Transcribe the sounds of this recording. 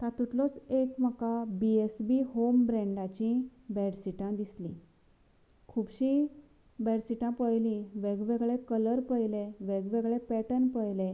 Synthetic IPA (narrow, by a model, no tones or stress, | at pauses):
t̪at̪ut̪lɔt͡sekm̤əkabiesbihombɾɛ̃ɳɖat͡ɕĩbɛɽsiʈãd̪islḭ̃ | kʰubɕĩ | bɛɽsiʈãpəjlĩʋeɡʋeɡɭekələɾpəjleʋeɡʋeɡɭepɛʈənpəjle